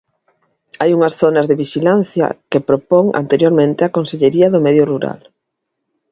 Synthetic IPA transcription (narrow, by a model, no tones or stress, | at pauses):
ajuŋɐsθonɐzðeβiʃilan̟θjɐ̰kepɾopoŋa̰nt̪eɾjoɾmẽnt̪ɪakonseʎeɾiɐðomɛðjoruɾa̰l